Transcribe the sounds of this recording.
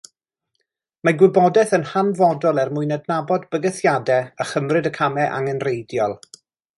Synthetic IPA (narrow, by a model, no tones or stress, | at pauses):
maɡwɪbɔdɛθənhanvɔdɔlˠɛrmʊɨnɛdnabɔdbəɡəθjadɛəχəmrɨdəkʰamɛʔa̰ŋənrejdjɔlˠ